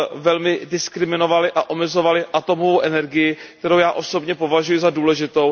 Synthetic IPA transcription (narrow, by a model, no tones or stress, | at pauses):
vɛlmɪdɪskɾɪmɪno̞valɪʔaʔo̞mɛzo̞valɪʔat̪o̞movowʔɛnɛɾɡɪjɪkt̪ɛɾo̞wjaːʔo̞so̞bɲɛpo̞vaʒujɪzaduːlɛʒɪt̪o̞w